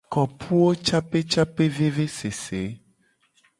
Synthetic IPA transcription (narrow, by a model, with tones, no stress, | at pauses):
kɔ˨pʰu˦wo˦t͡ʃa˦pe˦t͡ʃa˦pe˦ve˦ve˦se˨se˨˦